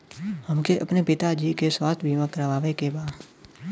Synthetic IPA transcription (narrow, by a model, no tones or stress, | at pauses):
həmkeʔɐpnepɪt̪ad͡ʒiːkeswaːst̪ʰbʱiːmãkəɾʋaːʋekebaː